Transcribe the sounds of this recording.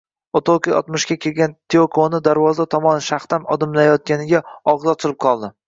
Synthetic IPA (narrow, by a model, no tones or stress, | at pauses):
ot̪ʰolˠkiɒ̰t̪mʊʃkʲakʲʰe̞lɡʲant̪ʰeokʰonɪd̪aɾvɒzd̪at̪ʰɒmɒnʃaχt̪amɒd̪ɪmlajɒt̪̚ɡʲanɪɡʲaɒʁzɒt͡ʃ̪ʰɪlˠɪp̚qʰɒlˠd̪ɪ